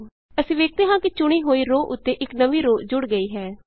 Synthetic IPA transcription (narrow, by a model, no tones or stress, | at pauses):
əsĩːʋeːk̚t̪eːɦãːkɪt͡ʃʊɽ̃iːɦoːiːɾoːʔʊt̪ːeːʔɪknəʋiːɾoːd͡ʒʊɽɡəiːɦɛː